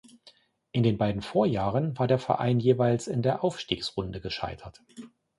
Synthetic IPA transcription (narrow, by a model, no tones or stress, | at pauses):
ʔɪndeːnbaɪdn̩foːɐjaːʁənvaːɐdeːɐfɛ̰ɐʔa̰ɪnjeːvaɪlsɪndeːɐʔaʊfʃtiːksʁ̥ʊndəɡəʃa̰ɪtʰɐt